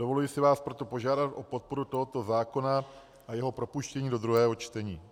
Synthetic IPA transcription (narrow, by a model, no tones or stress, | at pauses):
do̞vo̞lujɪsɪvaːspɾot̪o̞po̞ʒaːdat̪ʔo̞po̞t̪̚po̞ɾut̪o̞ɦo̞t̪o̞zaːko̞na | ʔajɛɦo̞pɾo̞puʃcɛɲiːdod̪ɾuɦɛːɦo̞t͡ʃt̪ɛɲiː